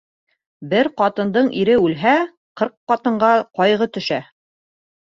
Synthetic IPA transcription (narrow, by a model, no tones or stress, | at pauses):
bɘɾqɑt̪ɤ̆nd̪ɤɴiɾɘʉlɦæ | qɤɾqːɑt̪ɤ̆ɴɢɑqɒjʁɤt̪ɵ̆ʃæ